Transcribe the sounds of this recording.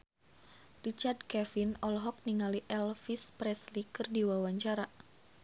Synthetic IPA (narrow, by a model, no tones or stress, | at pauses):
rit͡ʃard̚kɛfinɔlɦɔk̚niŋaliʔɛlfispɾɛslikɨrdiwawaɲt͡ʃaɾa